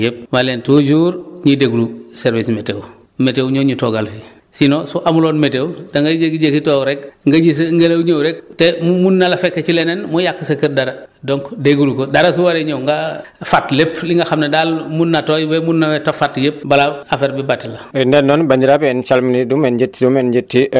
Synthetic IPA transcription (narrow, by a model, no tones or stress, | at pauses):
jep̚malentud͡ʒuːɾɲideɡuluseɾvismetew | metewɲoɲitoɡalfi | sinosuʔamuloːnmetewdaŋɡaekid͡ʒekitoːɾekŋɡɐɟis̬ŋɡelawɲowɾek̚temmunːalafekːet͡ʃilenenmujakːsɐkəɾdaɾadoŋkdeɡulukodaɾas̬uwaɾeɲowŋɡafatlepliŋɡaxamnadalmunːatojbemunːawetofatjep̚balaːfeɾbibatilaindenːɔnbaɲɟiɾapɛnt͡ʃalminidumenɟitdumend͡ʒitːi